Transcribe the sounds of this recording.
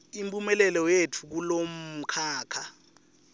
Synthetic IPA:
impʼumɛlɛlɔjetʰuk̬ulom̩kʰaːkʰa

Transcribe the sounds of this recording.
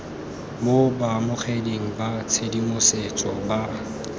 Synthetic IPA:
bobamʊχʰedeŋ̩bat͡sʰedimʊset͡sʼɔ̰ba

